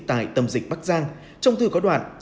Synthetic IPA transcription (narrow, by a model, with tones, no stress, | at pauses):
t̪a̰ː˧˨jt̪ə˨˩mzï˨˩k̟̚ɓa˦˥k̚zaː˧ŋ | t͡ɕɔ˧wŋ͡mt̪ɨ˧˩kɔ˨˦ɗwa̰ː˧˨n